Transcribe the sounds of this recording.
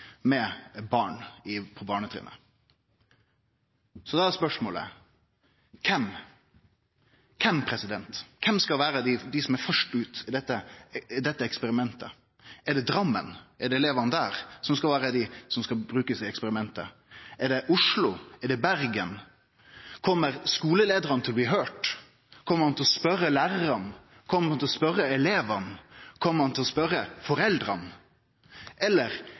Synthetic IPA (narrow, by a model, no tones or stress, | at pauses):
mɛbɑːɳɪpʰɔbɑːɳət̪ʰɾ̰ːnə̰ | sɔd̪ɑæɾspœʂmoːlə̰ | kʰɛm | kʰɛmpʰɾɛsɪd̪ɛnt̪kʰɛmskɑlʋæːɾəd̪ɪd̪ɪsɔmæɾfœʂʈʉːt̪ɪd̪ɛt̪ːəɪd̪ɛt̪ːəɛkspəɾɪmɛnt̪ə̰ | ɛɖɛd̪ɾɑmːə̰nɛɖɛlɛʋɑnəd̪æːɾsɔmskɑlʋæːɾəd̪ɪsɔmskɑbɾʉːkəsɪɛkspɛɾɪmɛnt̪ə̰ | ɛɖɛʔʊʂlʊɛɖɛbæɾɡən | kʰɔmːəɾskuːləleːd̪əɾɑnət̪ʰɪlɔbliɦøːʈ | kʰɔmːəɾhɑnt̪ɪlɔspœrːəlæːɾɾɑn | kʰɔmːəɾɑnt̪ɪlɔspœɾəɛleːʋɑnkʰɔmːəɾɑnt̪ɪlɔspœɾːəfɔɾɛld̪ɾɑn | ʔɛlːəɾ